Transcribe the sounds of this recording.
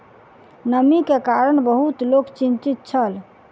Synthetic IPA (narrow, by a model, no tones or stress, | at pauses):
nəmikekaɾənbəɦut̪lokt͡ʃint͡ʃit̪̚t͡ʃʰəl